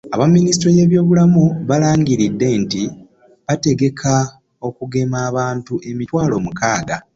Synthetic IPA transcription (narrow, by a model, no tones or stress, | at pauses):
aβamːinistɾoje̞ːβjo̞ːβulamuβalaːŋɡiɾidːe̞nti | βate̞ɡe̞kʰa | o̞kuɡe̞maːβaːntuʔe̞mitwaːlo̞mukaːɡa